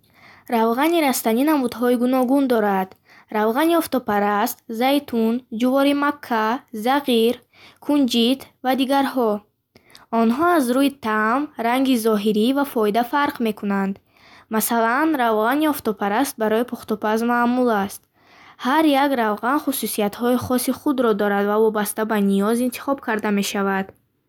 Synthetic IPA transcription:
ɾavʁaniɾast̪aninamud̪ɦɔiɡunɔɡund̪ɔɾad̪̥ | ɾavʁaniɔft̪ɔpaɾast̪zajt̪ʰund͡ʒuvɔɾimakʰːazaʁiɾ | kʰund͡ʒit̪vad̪iɡaɾɦɔ | ɔnɦɔazɾuit̪ʰamɾaŋɡizɔɦiɾivafɔid̪afaɾqme̞kʰunand̪ | masalanɾavʁaniɔft̪ɔpʰaɾast̪̚baɾɔipʰɔχt̪ɔpʰazmaːmulast̪̚ | haɾjaɡɾavʁanχususiat̪hɔiχɔsiχud̪ɾɔd̪ɔɾad̪vavɔbast̪abanijɔzint̪ʰi̥χɔb̚kʰaɾd̪ame̞ʃavad̪̥

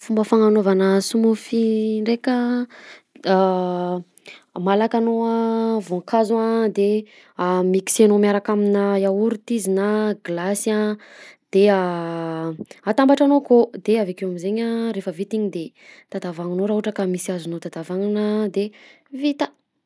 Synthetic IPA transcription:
fumbəfaŋanovanəsumufiɳɖ͡ʐekə | malakanoavoŋkʰazwad̪e | amiki̥senomaɾakaminəjauɾut̪izinaɡlasad̪̥ea | at̪ambaʈ͡ʂanokod̪eavekewamizeɲaɾefəvit̪iɲid̪e | t̪ad̪avaŋunoɾaɦuʈ͡ʂəkamisiazunot̪ad̪avaŋunəd̪e | vit̪ə̥

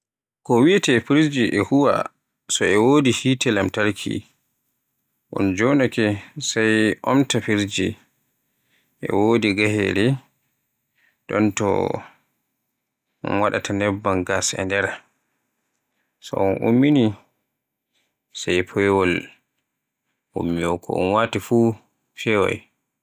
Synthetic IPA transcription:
kɔwiatɛpiɾd͡ʒiʔɛhuwa̰ | sɔɛwoːdihitɛlamtaɾkʰḭ | ʔɔ̰nd͡ʒɔnakɛsajʔɔmtapiɾd͡ʒi | ʔɛ̰woːdiɡahɛ̰ɾɛ | ɗɔntɔ̰ | ɔ̰nwaɗa̰tanɛbːanɡasɛ̰ndɛɾa | sɔ̰ɔnʔṵmːini | sajpʰɔjɛwɔl | ṵmːiɔkʰɔ̰ɔ̰nwatifu | fɛwa̰j

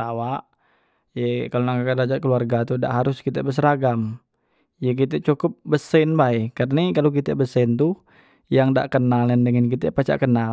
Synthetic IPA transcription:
awaʔ | jəkalonaŋkakadad͡ʒaʔkəluarɡat̪uda̰ʔɦaɾʊskit̪əbəs̬əɾaɡam | jək̬it̪̬ət͡ʃukʊp̚bəsənbaɛkarnakalok̬it̪əbəsənt̪u | jaŋda̰ʔkənalandəŋənk̬it̪əpat͡ʃa̰ʔkəna

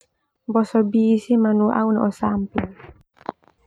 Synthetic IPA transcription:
bɔsɔbiːsimanuʔa̰wnɛɔsampin

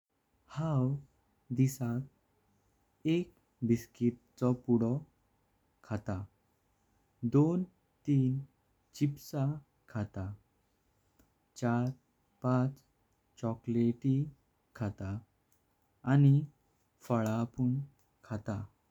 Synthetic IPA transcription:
haw | d̪isak | ek̚ | biskiʈ̪̚ | t͡sɔpuɽɔ | kʰat̪a | d̪on | t̪iːn | t͡ɕipsa | kʰat̪a | t͡ɕaɾ | pãt͡s | t͡ɕɔkleʈi | kʰat̪a | ni | fəɭapuɳ | kʰat̪a

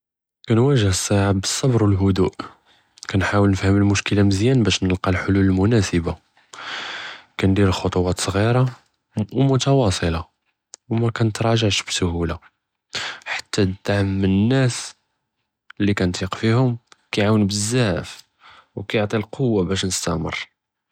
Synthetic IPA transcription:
kænwæʒəhəsˤːaʕabəsˤːɑbɾwəlɦʊd̪uʔ | kænħawəlnəfhəməlmʊʃkəlaməzjænbæʃnəlqɑlħoluləlmʊnæsəba | kænd̪iɾəxot̪ˤuwɑt̪sˤɣiɾa | wmʊt̪ɑwɑsˤəlɑ | wmækænət̪ɾˤɑʒəʕʃbsʊhula | ħḁt̪ːæd̪aʕəmːənənːæs | lːikænt̪iqfihʊmkæjʕawənbəzːæəf | wkæjoʕt̪ˤilqʰowːabæʃnəst̪æmə̰rˤ

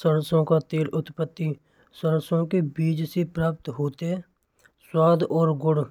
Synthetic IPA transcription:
səɾsõːkat̪eːlʊt̪pət̪ːi | səɾəsõːkebiːd͡ʒsepɾaːp̚t̪ɦoːt̪e | swaːd̪ɔːɾɡʊɽ

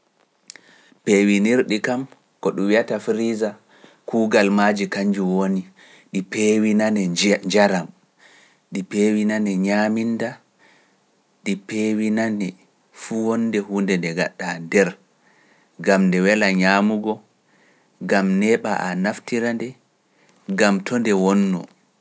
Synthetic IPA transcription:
pewiniɾɗikam | kɔɗumwiatafɾiza | kʰuːɡalmad͡ʒikaɲd͡ʒuwoni | ɗipewinanɛd͡ʒaɾam | ɗipewinanɛɲaːminda | ɗipewinanɛ | fuwɔndɛhundɛndɛɡa̰ɗːandɛɾ | ɡamndɛwɛlaɲaːmuɡɔ | ɡamnɛɓa̰ʔa̰naftiɾandɛ | ɡamtʰɔndɛwɔnːɔ̰

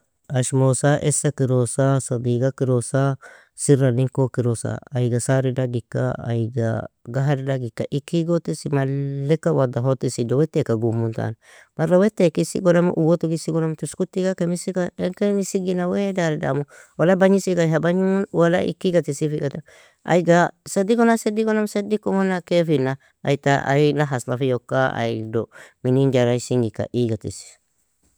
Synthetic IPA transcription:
aʃmosaʔesakiɾosasabiɡakiɾosa | siɾaniŋkokiɾosa̰ːjɡasaɾidaɡikːa̰a̰jɡa̰ɡaɦaɾdaɡikːa̰ʔikːiɡot̪ːisimalːekːawad̪aɦot̪ːisidowɛt̪ːekaɡumːunt̪a̰n | maɾawetːekisḭɡonam̰ʔuwotukisiɡɔnamtuskutːikakemisikaeŋkenisiɡinawedaɾida̰muwalabaɲisikaɦabaɲumunwala̰ʔḭkːiɡatisifiɡata | a̰iɡasadikonasediɡonamsedikomonakefina | a̰itaa̰inaɦaslafijokːaa̰idominind͡ʒaɾaisiŋɡika̰ʔiɡatḭsi̥

